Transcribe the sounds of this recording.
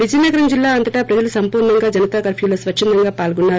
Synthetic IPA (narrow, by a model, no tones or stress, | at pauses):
ʋid͡ʒinːɐɡɐɾɐmd͡ʒilːaːɐnt̪ɐʈaːpɾɐd͡ʒɐlusɐmpuːɾnɐŋɡaːd͡ʒɐnɐt̪aːkɐɾpʰjiːloːsʋɐkʂind̪ɐŋɡaːpaːlɡunːaːɾ